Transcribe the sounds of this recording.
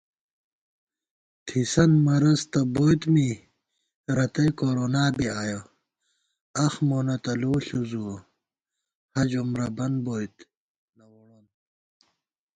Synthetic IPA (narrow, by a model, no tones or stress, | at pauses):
t̪ʰisɐnmɐɾɐst̪ɐbojt̪mi | ɾɐt̪ɐjkoɾoːnaːbiaːjo | ɐxmonɐt̪ɐloːɬuzuo | hɐd͡ʑumɾɐbɐnboːjt̪ | nɐwoɽon